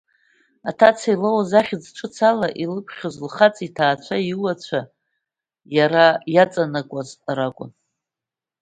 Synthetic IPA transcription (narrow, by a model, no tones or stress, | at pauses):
atʰat͡sʰailawazaχʲɪd͡zʈ͡ʂʷʰɨt͡sʰalaʔilɨkʷʰχʲazlχat͡sʼitʰaːt͡ɕʷʰaiwat͡ɕʷʰa | jaɾajat͡sʼanakʷʼazɾakʷʼʊ̰n